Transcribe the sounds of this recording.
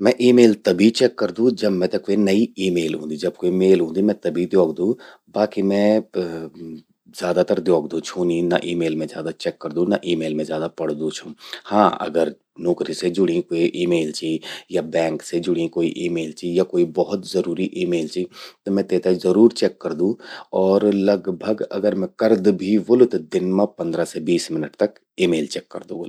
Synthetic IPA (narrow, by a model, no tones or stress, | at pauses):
mɛ̃ːʔiːmeːlt̪ɐbʱit͡ʃɛːkːəɾd̪ũːd͡ʒɐbmɛ̃t̪ɐkʋenɐiiːmeːlɦṵ̃ːd̪id͡ʒɐb̚koːimeːlɦũːnd̪imɛ̃t̪ɐbʱid̪joːɡd̪ũː | baːkimɛ̃ː | zjaːd̪at̪əɾd̪joːɡd̪ũt͡ʃʰũninɐ̰ʔiːmeːlmẽzjaːd̪at͡ʃɛːkːəɾd̪ũnɐʔiːmeːlmẽzjaːd̪apɐɽd̪ũt͡ʃʰũːhãːɐ̰ɡəɾ | noːkɾised͡ʒʊɽ̤ĩkoːiʔiːmeːlt͡ʃiijabɛ̃ːŋksed͡ʒʊɽ̤ĩkoːiʔiːmeːlt͡ʃijakoːibɔɦʊt̪zɐɾuːɾiʔiːmeːlt͡ʃiit̪omɛ̃t̪eːt̪eizɐɾuːɾt͡ʃɛːkːɐɾd̪ũɔːɾlɐɡbʱəɡɐ̰ɡəɾmɛ̃kɐɾd̪bʱiʋʊlʊt̪d̪ɪnmãpɐ̃nd̪ɾasebiːsmɪnəʈt̪ɐk | iːmeːlt͡ʃɛːkːɐɾd̪ũʋol